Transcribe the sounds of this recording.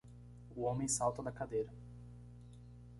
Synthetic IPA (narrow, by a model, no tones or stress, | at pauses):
ʊõmẽj̃sawt̪ɐd̪ɐkad̪ejɾɐ